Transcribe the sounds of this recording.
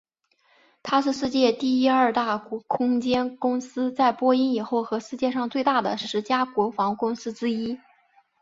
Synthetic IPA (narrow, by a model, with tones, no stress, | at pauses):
t̪ʰa˥ʂɻ̩˥˧ʂɻ̩˥˧t͡ɕjɛ˥˧t̪i˥˩i˥ɐ˞˥˧t̪a˥˩kɔ˧˥kʰʊ˥ŋt͡ɕjɛ˥nkʊ˥ŋsɹ̩˥t͡sa˥˩ɪpwɔ˥i˥ni˨˩xo˥˩ʊxɤ˧˥ʂɻ̩˥˧t͡ɕjɛ˥˧ʂɑ˥˧ŋt͡swe˥˧ɪt̪a˥˩d̪ə̰˩ʂɻ̩˧˥t͡ɕja˥kwɔ˧˥fɑ˧˥ŋkʊ˥ŋsɹ̩˥ʈ͡ʂɻ̩˥i˥